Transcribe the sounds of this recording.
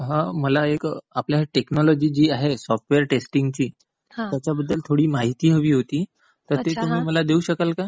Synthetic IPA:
ɦãməlaekapljaʈeknɔlɔd͡ʑiːd͡ʑiːaɦesɔfʈʋeəɾʈesʈiŋɡt͡ɕiː | ɦat̪jat͡ɕjabəd̪ʱːəlt̪ʰoɽiːmaɦit̪iːɦəʋiːɦot̪iː | t̪əɾt̪ett̪um̤iːməlad̪euɕəkalka

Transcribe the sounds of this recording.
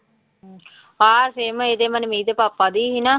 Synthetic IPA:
aːseːməed̪emanəmiːd̪əpapːad̪iːɦina

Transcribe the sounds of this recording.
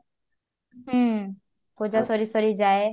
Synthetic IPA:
ɦə̃ | koːd͡ʒaːsoɾiːsɔɾiːd͡ʒaːeː

